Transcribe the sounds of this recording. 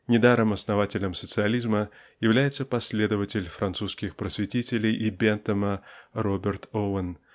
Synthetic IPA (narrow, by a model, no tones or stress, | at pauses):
nʲɪd̪aɾəmɐsnɐvatʲɪlʲəmsət̪sɨɐlʲizməjɪvlʲæjɪt̪səpɐsʲlʲe̞d̪əvətʲɪlʲfɾɐnt̪suskʲɪxpɾəsʲvʲɪtʲitʲɪlʲɪjʔibʲɛnt̪əmərobʲɪrt̪ovən